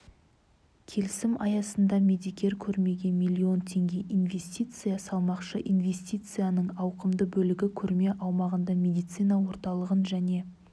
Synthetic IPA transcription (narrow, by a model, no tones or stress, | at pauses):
kʲʰe̞lɪsɪmɑjɑsənd̪ɑmʲe̞d̪ikʲe̞ɾkʲʰɵɾme̞ɡʲe̞nmʲijlʲːio̞nt̪ʰe̞ŋɡʲe̞ʔinve̞sʲt̪ʲijt̪sɨjasɑlˠmɑqʃəʔinve̞sʲt̪ʲijt̪sɨjanəɴɑwqəmd̪əbɵlɪɡʲɪkʲʰɵɾme̞ʔɑwmɑʁənd̪ɑmʲe̞d̪ijt̪sɨnɑwo̞ɾt̪ɑlˠəʁənʒæne̞